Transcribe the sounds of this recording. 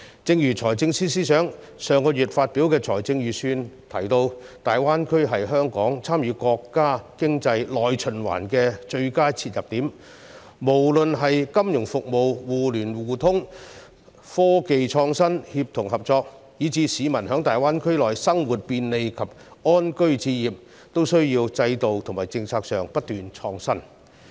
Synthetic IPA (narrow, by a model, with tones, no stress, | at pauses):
t͡sɪ˧ŋjyː˨˩t͡sʰɔː˨˩jt͡sɪ˧ŋsiː˥siː˥sœː˨˥ŋ | sœː˨ŋkɔː˧jyː˨˩t̚faː˧t̚piː˨˥wkɛː˧t͡ʃʰɔː˨˩jt͡sɪ˧ŋjyː˨˩syː˧nt̪ʰɐ˨˩jt̪o˧wt̪aː˨˩jwaː˥nkʰɵ˥ɥɦɐ˨jɦœː˥ŋkɔː˨˥ŋt͡sʰaː˥mjyː˨˧kɔː˧kːaː˥kɪ˥ŋt͡sɐ˧jlɔː˨˩jt͡ʃʰɵ˨˩nwa̰ː˨˩nkɛː˧t͡ʃɵ˧ɥkaː˥jt͡sʰiː˧t̚jɐ˨p̚t̪iː˨˥m | mo˨˩wlɵ˨nɦɐ˨jkɐ˥mjʊ˨˩ŋfʊ˨k̚mo˨wwuː˨lyː˨˩nwuː˨˩t̪ʰʊ˥ŋ | fɔː˥ke˨jt͡ʃʰɔː˧ŋsɐ˥nhi˧p̚t̪ʰʊ˨˩ŋɦɐ˨p̚t͡sɔː˧k̚ | jiː˨˥t͡siː˨˥siː˨˧mɐ˨˩nɦœː˨˥ŋt̪aː˨jwaː˥nkʰɵ˥ɥlɔː˨˩jsɐ˥ŋwuː˨˩t̚piː˧nle˨jkʰɐ˨˩p̚ɔː˥nkɵ˥ɥt͡siː˧jiː˨˩p̚ | t̪o˥wsɵ˥ɥjiː˧wt͡sɐ˧jt̪o˨wt̪ʰŋmaː˨˩jt͡sɪ˧ŋt͡sʰaː˧k̚sœː˨ŋpɐ˥t̚t̪yː˨nt͡ʃʰɔː˧ŋsɐ˥n